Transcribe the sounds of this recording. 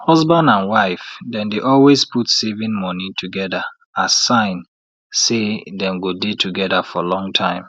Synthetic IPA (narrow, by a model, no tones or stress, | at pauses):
hɔzbãndãnwaɪfdɛ̃ndeʔɔlwespʰutsevĩnmɔnitʰuɡɛdə | asãɪ̃n | sedɛ̃nɡodetʰuɡɛdəfɔlɔ̃ŋtʰãɪ̃m